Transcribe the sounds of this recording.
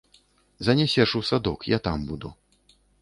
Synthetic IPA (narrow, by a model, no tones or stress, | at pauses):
zɐnʲɛsʲɛʂusad̪ɔkjat̪ambud̪u